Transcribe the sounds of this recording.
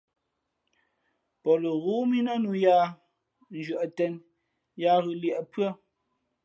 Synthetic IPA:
pɔ˨lo˨ɣu˨˦mi˦nɔ˦nu˨ja˦ | n̩˨d͡ʒɥə˨ʔtɛ˦n | ja˦ɣʉ˨ljɛ˨ʔpɰə˦

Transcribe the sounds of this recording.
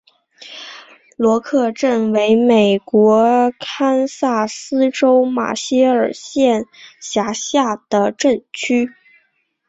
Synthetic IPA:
lwɔ˧˥kʰɤ˥˧ʈ͡ʂə˥˩nwe˧˥ɪme˨˩ɪkwɔ˧˥kʰa˥nsa˥˩sɹ̩˥ʈ͡ʂo˥ʊma̰˨˩ɕi˥ə˞˨˩ɕjɛ˥˩nɕja˧˥ɕja˥˩d̪̥ə˩ʈ͡ʂə˥˩˧nt͡ɕʰy˥

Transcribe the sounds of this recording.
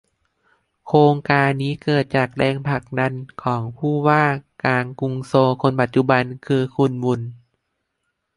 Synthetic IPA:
kʰoː˧ŋkaː˧nːiː˦˥kɤː˨˩t̪̚t͡ɕaː˨˩k̚dɛː˧ŋpʰa˧˩k̚da˧nkʰɔː˩˦ŋpʰuː˥˩waː˥˩kaː˧ŋku˧ŋsoː˧kʰo˧npa˨˩t̪̚t͡ɕu˧˩ba˧nkʰɯː˧kʰu˧nmu˧n

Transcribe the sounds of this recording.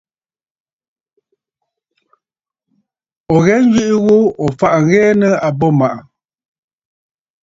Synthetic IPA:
ɔ˨ɣɛ˨˦n̩˦d͡ʒɥi˦ʔi˦ɣo˦ɔ˨fa˨ʔŋ˦ɣɛː˦nə˦a˨bɔ˦˨ma˨ʔa˨

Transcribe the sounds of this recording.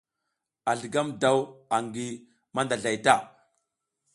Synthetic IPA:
a˨ɮə˨ɡa˦mda˦˨wa˨ŋɡi˦ | ma˦nda˨ɮa˨jta˦˨

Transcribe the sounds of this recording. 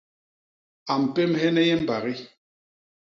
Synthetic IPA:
a˨m̩˨pe˦mhɛ˦nɛ˦jɛ˦m̩˦ba˨ɣi˦

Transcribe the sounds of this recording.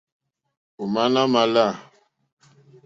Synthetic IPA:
u˨ma˦na˦ma˨la˦˨

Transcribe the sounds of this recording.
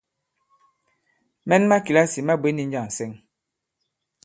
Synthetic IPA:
mɛ˦nma˦ki˨la˦si˨ma˦bwe˦ni˦ɲ̩˦d͡ʒa˦˨n̩˨sɛ˦ŋ

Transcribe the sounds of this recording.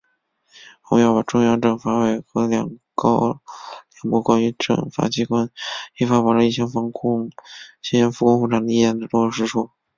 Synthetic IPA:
ʊ˧˥jɑ˥˩ʊpa˨˩ʈ͡ʂʊ˥˧ŋjɑ˥˧ʊʈ͡ʂɤ˨˩ŋfa˧˥we˧˩ɪxɤ˧˥ljɑ̰˨˩ŋkɑ˥ʊljɑ˨˩ŋpɔ˥˩kwa˥ny˧˥ʈ͡ʂɤ̰˥˨˩ŋfa̰˨˥t͡ɕi˧˥kwa˥ni˥˩fa˥pu˨˩ʊlə˧i˥˩ɕjɑ˥ŋfɑ˧˥ŋkʰʊ˥ŋɕi˥ɕɛ˧˥nfu˧˥kʊ˥ŋxu˥˩ʈ͡ʂʰa˨˩ŋd̪ə˧˩i˥˩jɛ˧˥˩nd̪ə˨˩ʈ͡ʂʊ˥˧ʂɻ̩˥˧ʈ͡ʂʰu˥˩

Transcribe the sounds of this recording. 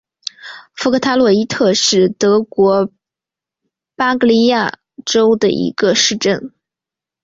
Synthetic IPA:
fu˥kʰə˥˩t̪ʰa˥lwɔ˥˩i˥t̪ʰɤ˥˧ʂɻ̩˥˩t̪ɤ˧˥kwɔ˧˥ | pa˥kli˥ja˥˩ | ʈ͡ʂo˥ʊd̪ə̰˨ʔḭ˧˥ɡ̥ə˧ʂɻ̩˥˧ʈ͡ʂə˥˩n

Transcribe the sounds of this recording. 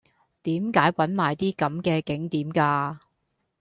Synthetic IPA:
t̪iː˨˥mkaː˨˥jwɐ˨˥nmaː˨jt̪iː˥kɐ˨˥mkɛː˧kɪ˨˥ŋt̪iː˨˥mkaː˧

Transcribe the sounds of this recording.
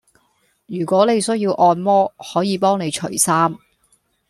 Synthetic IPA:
jyː˨˩kʷɔː˨˥ne˨˧jsɵ˥ɥjiː˧wʔɔː˧nmɔː˥hɔː˨˥jiː˨˧pɔː˥ŋne˨˧jt͡ʃʰɵ̰˨˩ɥsaː˥m

